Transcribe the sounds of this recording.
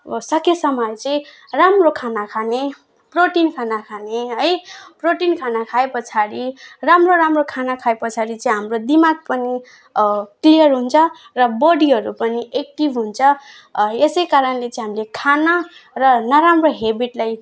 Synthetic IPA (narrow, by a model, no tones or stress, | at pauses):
sʌkesʌmʌjt͡sʌĩ | ramrokʰanakʰane | proʈinkʰanakʰaneɦʌjproʈinkʰanakʰaepʌt͡sʰaɾiramroɾamrokʰanakʰaepʌt͡sʰaɾit͡sʌĩɦamrod̪imaɡ̚pʌni | klijʌrɦunt͡sʰʌ | rʌbʌɽiɦʌɾupʌniʔek̚ʈibɦunt͡sʰʌ | esʌjkaɾʌnlet͡sʌĩɦamilekʰanʌrʌnʌɾamroɦebiʈlaj